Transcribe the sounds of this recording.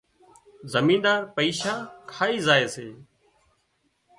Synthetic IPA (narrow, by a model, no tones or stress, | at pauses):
zəmĩːnd̪aːɾpəiːʃaːkʰaːiːzaːeːseː